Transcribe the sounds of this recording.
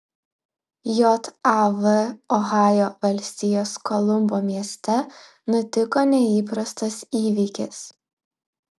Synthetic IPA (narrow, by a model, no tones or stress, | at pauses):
joːt̪ɑʋɨɔɣɑːjoːʋɐlʲsʲt̪ʲɪjoːskoːlˠʊmboːmʲiɛsʲt̪ʲɛ | nʊt̪ʲɪkoːnʲɛiːpɾɐst̪ɐsiːʋʲikʲɪs